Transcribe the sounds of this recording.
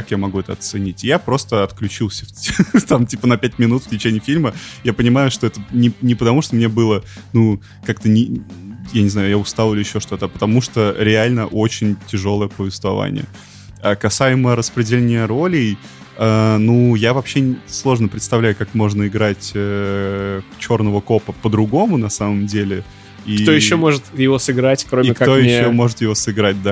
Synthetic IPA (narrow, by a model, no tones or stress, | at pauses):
kakjamɐɡuɛt̪əɐt̪sɨnʲitʲjapɾo̞st̪əɐt̪klʲʉt͡ɕilˠsʲə̥ft̪amtʲipənɐpʲæt̚ʲmʲɪnut̪ftʲɪt͡ɕenʲɪːfʲilʲməjapənʲɪmajʊʂt̪o̞ɛt̪ənʲɪnʲɪpət̪ɐmuʂt̪omnʲe̞bɨlˠənu | kakt̪ənʲɪjanʲɪznajʊjaʊst̪alˠɪlʲɪɪɕːo̞ʂt̪o̞t̪əpə̥t̪ɐmuʂt̪oɾʲɪalʲnəʔo̞t͡ɕɪnʲtʲɪʐo̞lˠəjəpəvʲɪst̪vɐ̰va̰nʲɪ̰jə̰ | akɐsajɪməɾəspɾʲɪdʲɪlʲenʲɪjəɾo̞lʲɪj | anujavɐpɕːe̞slˠo̞ʐnəpɾʲɪt̪st̪ɐvlʲæjʊkakmo̞ʐnəɪɡɾatʲə | t͡ɕo̞rnəvəko̞pəpəd̪ɾʊɡo̞mʊnɐsaməmdʲelʲɪ | ik̪ojɪɕːomo̞ʐɨt̪jɪvosɨɡɾatʲkɾomiɪkt̪ojɪɕːomo̞ʐɨt̪jɪvo̞sɨɡɾat̚ʲd̪a